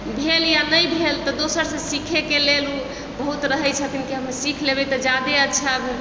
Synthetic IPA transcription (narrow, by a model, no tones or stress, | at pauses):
bʱeljanəjbʱelt̪ɔd̪osəɾsə̃sikʰekelelu | bəɦut̪ɾəɦɛt͡ʃʰət̪inkeɦəmesikʰlebɛt̪ɔd͡ʒad̪eətːʃʰabe